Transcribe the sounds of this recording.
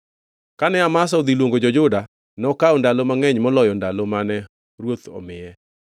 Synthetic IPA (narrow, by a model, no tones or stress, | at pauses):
kanɛamas̬aod̪ilwoŋɡod͡ʒɔd͡ʒʊda | nɔkaɔndalomaŋɛɲmɔlɔjɔndalomanɛ | ɾwot̪ɔ̰mɪɛ